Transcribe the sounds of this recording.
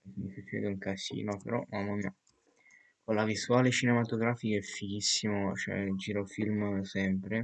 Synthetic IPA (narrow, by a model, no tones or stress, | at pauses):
mifet͡ʃɛ̰ːd̪euŋkasḭːnopḛɾɔmamːamia | konlavisuaːlet͡ʃinemat̪oɡɾaːfikaɛfːik̟isːimot͡ʃoɛ̰d͡ʒiɾofilmsɛmpɾe